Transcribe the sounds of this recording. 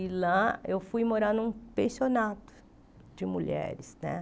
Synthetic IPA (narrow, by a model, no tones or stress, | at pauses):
ilaewfujmoɾanũpẽsionat̪ʊ̥ | d͡ʒɪmuʎɛ̰ɾɪsnɛ̰̃